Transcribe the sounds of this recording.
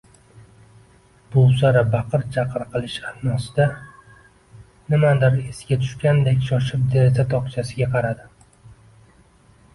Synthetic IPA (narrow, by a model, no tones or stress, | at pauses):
b̥owsaɾabɑqʰɨɾt͡ʃʰɑqʰɨɾqʰɨlˠɪʃahmɒsɪd̪a | nɪmad̪aɾesɡʲat̪ʰʊ̥ʃkʲand̪ekʲʃɒʃɪp̚d̪eet̪ʰat̪ʰɒqt͡ʃʰasɪɡʲaqʰɑɾad̪ɪ